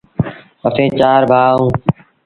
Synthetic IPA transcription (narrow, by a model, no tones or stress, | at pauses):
əfʰẽːt͡ʃaːɾbʱaːõː